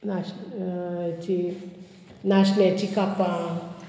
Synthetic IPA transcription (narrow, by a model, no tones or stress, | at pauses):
naʃ | t͡ʃi | naʃnet͡ʃikapa